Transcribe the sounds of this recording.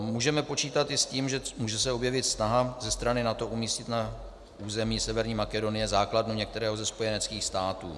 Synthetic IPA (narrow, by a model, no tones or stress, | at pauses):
muːʒɛmɛpo̞t͡ʃiːt̪at̪ɪsciːmʒɛmuːʒɛsɛo̞bjɛvɪt̪snaɦazɛst̪ɾanɪnat̪o̞ʔumiːscɪt̪na | uːzɛmiːsɛvɛɾɲiːmakɛdo̞nɪjɛzaːkladnuɲɛk̚t̪ɛɾɛːɦozɛspo̞jɛnɛt͡skiːxst̪aːt̪uː